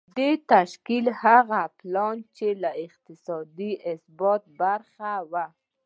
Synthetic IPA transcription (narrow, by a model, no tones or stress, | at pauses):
d̪et̪aʃkilhaɣaplɑnt͡ʃelaɪq̚t̪ɪsɑd̪iʔɪsbɑt̪̚baɾxawa